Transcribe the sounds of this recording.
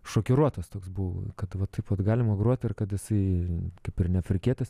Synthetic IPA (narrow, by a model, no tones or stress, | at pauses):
ʃoːkʲɪɾuɔt̪oːst̪oːksbʊʋkɐt̪ʋɐt̪ɐɪpʋɐt̪ɡɑːlʲɪmɐɡɾuɔt̪ʲɪrkɐt̪jɪsɐɪkɐɪpɪrnʲɛfʲɾʲɪkʲeːt̪ʲɐs